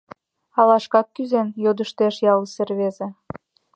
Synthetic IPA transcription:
ɑlɑʃkɑkːyzenjod̪əʃt̪eʃjɑlˠəserβeze

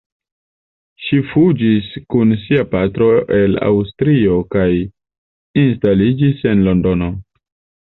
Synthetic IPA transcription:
ʃifud͡ʒiskunsiapatɾo̞ʔe̞la̰wstɾio̞kaj | instalid͡ʒise̞nlo̞ndo̞no̞

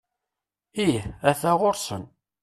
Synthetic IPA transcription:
iæθæʁʊɾsə̰n

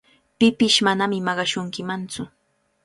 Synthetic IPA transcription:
pɪpɪʃmanamɪmɑɢɑʃʊŋkɪmant͡sʊ

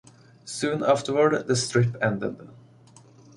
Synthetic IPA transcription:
sʉ̃ːnæftə˞wə˞dðəstʰɹ̥ɪpɛ̃ndə̰d̪

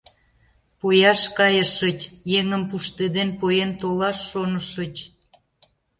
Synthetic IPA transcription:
pojɑʃkɑjəʃət͡ɕjeŋəmpuʃt̪ed̪enpojent̪olɑʃːonəʃət͡ɕ

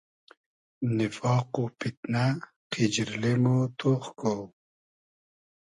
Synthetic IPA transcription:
nifɑːqupit̪̚na | qʰid͡ʑɾlemot̪ʰoːχkow

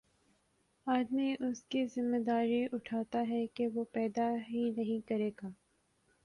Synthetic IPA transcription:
aːd̪miʔʊskizɪmːed̪aːɾiʔʊʈʰaːt̪aɦɛkeʋoːpɛːd̪aɦinɐɦĩkɐɾeːɡaː

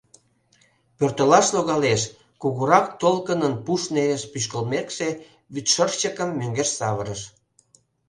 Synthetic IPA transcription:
pørt̪əlɑʃloɣɑleʃ | kuɣuɾɑkt̪olkənənpuʃneleʃpyʃ̬kəlmekʃe | βyt̪ʃərt͡ɕəkəmːøŋɡeʃsɑβəɾəʃ

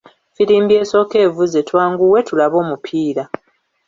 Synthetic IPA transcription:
fiɾiːmbie̞ːso̞ke̞ːvuzetwaːŋɡuwe̞tulaβo̞ːmupʰiːɾa

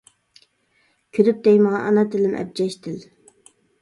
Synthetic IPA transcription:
kʲʰød̪yp̚d̪ɛjmɑʁɑʔɑnɑt̪ʰɪlɪnʔɛ̰b̚d͡ʒɛʃt̪ʰɪl

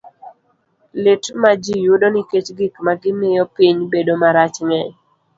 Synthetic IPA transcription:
lɪtmad͡ʒijudonɪket͡ʃɡikmaɡɪmɪjɔpiɲbedomaɾat͡ʃŋɛɲ

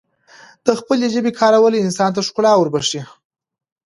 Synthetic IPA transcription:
d̪̥əxpəleʒəbekʰɑɾawəleɪnsɑnt̪̬aʂqʊlɑwəɾbaʂi

